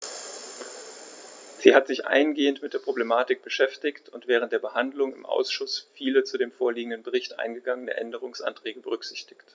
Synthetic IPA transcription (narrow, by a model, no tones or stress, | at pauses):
z̥iːhatz̥ɪçʔa̰ɪənɡeːəntmɪt̚d̥eːɐpʁ̥oblemaːtɪk̚b̥əʃɛftɪçtʊntv̥ɛːʁ̞ənt̚d̥eːɐbəhandlʊŋɪ̰mʔa̰ʊsʃʊsfiːlət͡sudeːmfoːɐliːɡŋ̩dənbəʁ̞ɪçtʔa̰ɪnɡəɡaŋənə̰ʔɛndəʁ̞ʊŋsʔa̰ntʁ̥ɛːɡəbəʁ̞ʏkz̥ɪçtɪ̥çt